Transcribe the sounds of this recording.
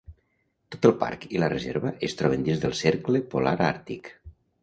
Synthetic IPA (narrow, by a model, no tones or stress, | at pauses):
t̪ot̪əlˠpa̰ɾkilərezḛɾβəʔest̪ɾɔβend̪inzðəlˠseɾkləpolaɾaɾt̪ik